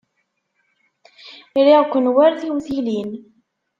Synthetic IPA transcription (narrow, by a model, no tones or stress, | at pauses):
ɾiʁkʷːənwaɾθiwθilin